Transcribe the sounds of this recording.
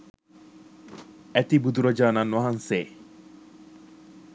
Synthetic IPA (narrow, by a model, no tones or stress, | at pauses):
ɛt̪ibud̪uɾɔd͡ʒaːnanwaɦanse